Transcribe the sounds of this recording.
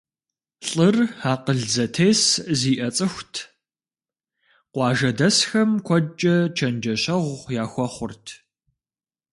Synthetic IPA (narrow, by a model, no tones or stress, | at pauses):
ɬʼɨraːqəɮd͡zɐtʰeːsziːʔɐt͡sʼɨxʷtʰ | qʷɑːʒɐdɐsxɐmkʷʰɔt͡ʃʼɐt͡ʃʰɐnd͡ʒɐɕɐʁʷjaːxʷɔχʷʊrtʰ